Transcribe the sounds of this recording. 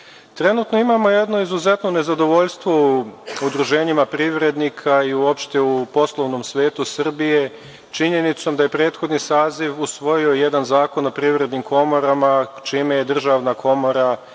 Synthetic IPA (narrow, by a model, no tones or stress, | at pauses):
t̪ɾe̞nut̪no̞imamo̞je̞d̪no̞izuze̞t̪no̞ne̞zad̪o̞ʋoʎst̪ʋo̞uud̪ɾuʒe̞ːɲimapɾiʋɾe̞d̪nikʰaiuo̞pʃt̪eupo̞slˠoʋno̞msʋe̞ːt̪usr̩bije̞ | t͡ʃiɲe̞nit̪so̞md̪aje̞pɾe̞ːt̪xo̞d̪nisaːziʋusʋo̞jiojed̪anzaːko̞nopɾiːʋɾe̞d̪nimkʰo̞mo̞ɾamat͡ʃiːmejed̪r̩ʒaʋnakʰo̞mo̞ɾa